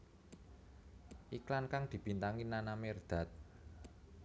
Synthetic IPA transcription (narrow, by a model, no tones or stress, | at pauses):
ʔiklankaŋd̪̥i̤b̥i̤nt̪aŋinanamerd̪̥a̤t̪̚